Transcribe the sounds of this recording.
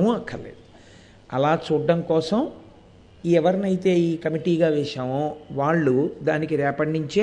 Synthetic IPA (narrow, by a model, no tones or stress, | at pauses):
muɐkʰːɐlḛːd̪u | ɐ̰laːt͡ʃuːɖːɐmkɔːsɐm | iɛʋɐɾnɐjit̪e̞ːiːkɐmiʈiːɡaːʋɛːʃaːmoːʋaːɭːud̪aːnikiɾɛːpɐɳːiɲt͡ʃeː